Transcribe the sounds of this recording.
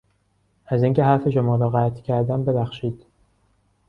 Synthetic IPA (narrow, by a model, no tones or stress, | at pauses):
æziːŋce̞ɦæɾfe̞ʃomɒːɾɒːɣæt̪ʰcʰæɾd̪æmbe̞bæxʃiːd̪̥